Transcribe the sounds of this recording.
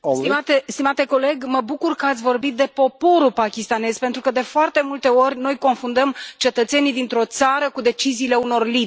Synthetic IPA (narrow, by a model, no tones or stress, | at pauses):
t̪imat̪est̪imat̪e̞ko̞le̞ɡməbukurkəat̪sʲvo̞rbit̪̚d̪e̞po̞po̞ɾupakʲist̪ane̞zpent̪ɾukəd̪e̞foart̪e̞mult̪e̞o̞rʲno̞jko̞nfund̪əmt͡ʃe̞t̪ət̪se̞nid̪int̪ɾo̞t̪saɾəkud̪e̞t͡ʃiziːle̞uno̞rli